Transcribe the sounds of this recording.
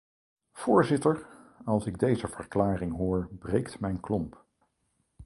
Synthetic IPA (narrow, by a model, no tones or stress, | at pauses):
v̥ʊːɹzɪtəɹɑlˠsɪɡ̚dejzəv̥əɹklaːrɪŋɦʊːɹbrejktmɛjnklɔmp